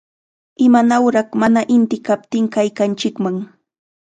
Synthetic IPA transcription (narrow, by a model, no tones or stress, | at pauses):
ɪmanawɾɑχmanaʔɪnt̪ɪkap̚t̪ɪŋkajkant͡ʃɪkmaŋ